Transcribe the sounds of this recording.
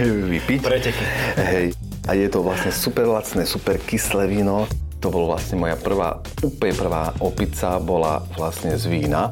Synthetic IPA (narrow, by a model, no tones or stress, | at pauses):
ʋipicɾɛcɛkiɦɛj | ʔajɛt̪ɔʋlasɲɛsupɛɾlat͡snɛːsupɛɾkislɛʋinɔt̪ɔbɔlɔʋlasɲɛmɔjapr̩ʋa̰ː | uplɲɛpr̩ʋaːʔɔpit͡sabɔla̰ʋlasɲɛzʋiːna